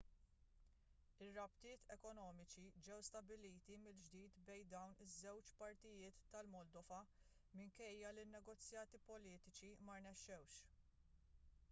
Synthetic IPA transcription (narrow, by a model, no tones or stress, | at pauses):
ɪrːɐpt̪ɪːt̪ʰɛkɔnɔːmɪt͡ʃid͡ʒɛwst̪ɐbɪliːt̪imɪld͡ʒd̪iːt̪bɛjd̪ɐwnɪzːɛwt͡ʃpɐɾt̪ɪjɪːt̪ːɐlmɔld̪ɔvɐ | mɪŋkɛjːɐlɪnːɛɡɔt͡sːjɐːt̪ipɔliːt̪ɪt͡ʃimɐɾnɛʃːɛwʃ